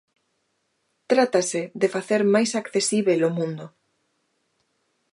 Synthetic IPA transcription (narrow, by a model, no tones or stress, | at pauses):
t̪ɾat̪asɪðefaθeɾmajsakθesiβelomũnd̪ʊ